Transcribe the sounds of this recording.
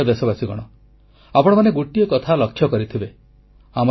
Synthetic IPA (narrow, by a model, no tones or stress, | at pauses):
ɔd̪esɔbasiɡɔ̰ɽ̃ɔ | apɔɽ̃ɔmaneɡoʈijɔkɔt̪ʰalɔkʰːjɔkɔɾit̪ʰibe | amɔ